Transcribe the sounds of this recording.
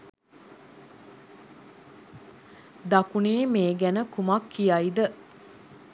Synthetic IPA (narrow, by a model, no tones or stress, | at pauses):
d̪akuneːmeːɡænəkumakːijaid̪ə